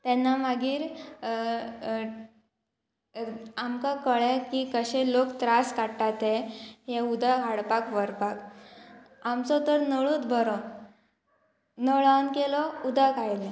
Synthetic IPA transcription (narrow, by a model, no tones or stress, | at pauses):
t̪ɛnːamaɡiːɾ | amkakəɭekiːkəɕẽlokt̪ɾaskaʈat̪eɦeud̪ʱaɦaɽpakʋəɾpak | amt͡sɔt̪əɾnəɭuːt̪bʱəɾɔ | nəɭankelɔud̪ʱakajl